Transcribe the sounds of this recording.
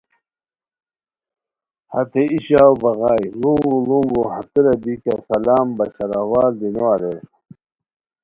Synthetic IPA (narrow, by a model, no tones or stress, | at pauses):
ha̰t̪eiɕaːwbɐɣajluŋɡuluŋɡohat̪iɾɐbikasɐlaːmbɐɕaɾawaːld̪inowaɾe